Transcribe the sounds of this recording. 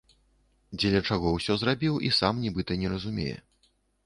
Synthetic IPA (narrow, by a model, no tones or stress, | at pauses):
d͡zʲɛlʲɐt͡ʂaɣɔwsʲɔzrabʲiwʔisamnʲibɨt̪ɐnʲɛɾɐzumʲḛjɛ̰